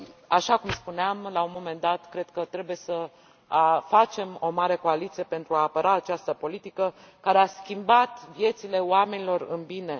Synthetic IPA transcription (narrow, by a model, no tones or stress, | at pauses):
aʃakumspuneamlaunmo̞me̞nd̪at̪kɾe̞d̪̚kət̪ɾe̞buje̞sə | afat͡ʃe̞mo̞maɾe̞ko̞alit̪sije̞pe̞nt̪ɾuaːpəɾʔaːt͡ʃast̪əpo̞lit̪ikə | kaɾeaskʲimbat̪vje̞t̪sile̞oame̞nilo̞rɨnbine̞